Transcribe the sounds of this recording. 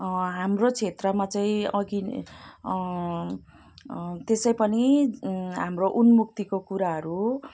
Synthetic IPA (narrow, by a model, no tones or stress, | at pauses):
ɦamrot͡sʰet̪rʌmat͡saĩʌɡi | t̪esʌjpʌni | ɦamroʔunmuk̚t̪ikokuɾaɦʌɾu